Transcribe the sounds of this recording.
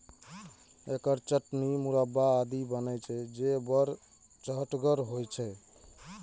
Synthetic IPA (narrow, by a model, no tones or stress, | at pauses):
ekəɾt͡ʃəʈnimuɾəbːaːd̪ibənɛjt͡ʃʰɛd͡ʒebəɾ | t͡ʃəʈɡəɾɦojt͡ʃʰɛ